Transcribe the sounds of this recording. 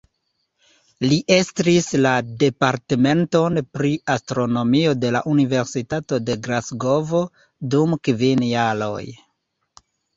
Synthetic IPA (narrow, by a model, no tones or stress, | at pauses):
liʔe̞stɾislade̞paɾteme̞nto̞npɾiastɾo̞no̞mio̞de̞laʔunive̞ɾsitato̞de̞ɡɾasɡo̞vo̞ | dumkvinjalo̞̰j